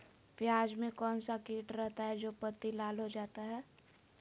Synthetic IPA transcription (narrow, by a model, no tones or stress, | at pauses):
pjaːd͡ʒmẽkɔːnsakiːʈɾɛɦt̪aɦɛd͡ʒoːpət̪ːilaːlɦod͡ʒaːt̪aɦɛː